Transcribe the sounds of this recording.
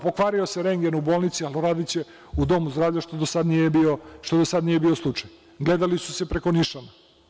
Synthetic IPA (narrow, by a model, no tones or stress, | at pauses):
pokʋaːɾio̞se̞ɾe̞ŋɡenubo̞ːlˠnit̪sialoɾaːd̪it͡ɕe̞ | ud̪o̞muzd̪ɾaːʋvʎaʃt̪od̪osad̪nijebioʃt̪od̪osad̪nije̞bio̞slˠut͡ʃaj | ɡle̞d̪alisu̥se̞pɾe̞koniʃana